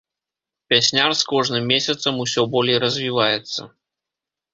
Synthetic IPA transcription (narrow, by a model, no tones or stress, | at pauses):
pʲasʲnʲarskɔʐnɨmːʲesʲɐt̪sɐmusʲɔbɔlʲejrɐzʲvʲivajɛt̪sːɐ̰